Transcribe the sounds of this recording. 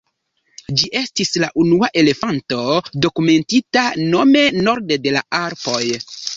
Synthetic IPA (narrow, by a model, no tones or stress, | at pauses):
d͡ʒiʔe̞stislaʔunuaʔe̞le̞fanto̞do̞kume̞ntitano̞me̞no̞ɾdede̞laaɾpo̞j